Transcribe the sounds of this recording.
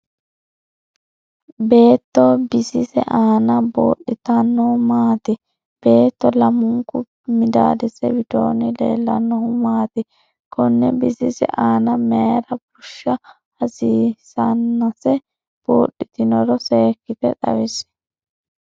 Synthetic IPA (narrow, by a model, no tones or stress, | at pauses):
be̞ːt̪ːɔbɪsɪsɛ̰ʔaːnɐbo̰ːɗɪt̪ɐnːɔmaːt̪ɪ | b̥e̞ːt̪ːɔlɐmʊŋkʊ | mɪd̪a̰ːd̪ɛsɛ̰wɪt̪o̰ːnɪlḛːlːɐnːɔhʊmaːt̪ɪ | kʰɔnːɛbɪsɪsɛ̰ʔaːnɐmeːɾɐbʊʃːɐ | hɐsiːsɐnːɐsɛ | b̥oːɗːɪt̪ɪnɔɾɔseːkːɪfɛ̰t̪ɐ̰wɪs